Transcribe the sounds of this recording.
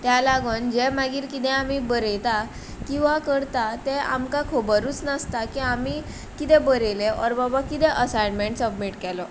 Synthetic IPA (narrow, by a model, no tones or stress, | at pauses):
t̪jalaɡond͡ʑemaɡiːɾkit̪ɛ̃amibəɾet̪a | kĩw̃ʋakəɾt̪at̪ea̰mkakʰobəɾuːt͡snəst̪akiami | kit̪ɛbəɾeleɔɾbɔbakit̪ɛʔəsajnmeɳʈsəbmiʈkɛlɔ